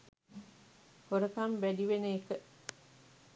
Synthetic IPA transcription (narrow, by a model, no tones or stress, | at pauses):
hoɾəkɐmbædiʋeneːkə